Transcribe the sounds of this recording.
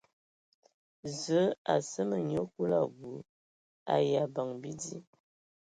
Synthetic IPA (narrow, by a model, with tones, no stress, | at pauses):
zə˨˦a˨sə˦mə˨ɲo˦ku˦la˦˨ɡu˨˦ | a̰˨ja˨ba˨ŋbi˦di˦